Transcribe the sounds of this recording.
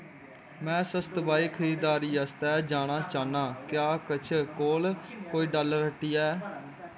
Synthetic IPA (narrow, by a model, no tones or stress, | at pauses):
mɛ̃ːsəst̪baːiːkʰəɾiːd̪aːɾiːast̪ɛːd͡ʒaːnaːt͡ʃaːnaːkjaːkət͡ʃʰkoːlkoːiːɖaləɾəʈːiːɛː